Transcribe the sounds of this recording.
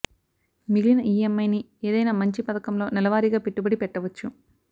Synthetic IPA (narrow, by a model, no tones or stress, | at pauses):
miɡlinɐʔiːemːɐjni | eːd̪ɐjnaːmɐɲt͡ʃipɐd̪ɐkɐmlo̞ːnɛlɐʋaːɾiɡaːpeʈːubɐɽipɛʈːɐʋɐt͡ʃːu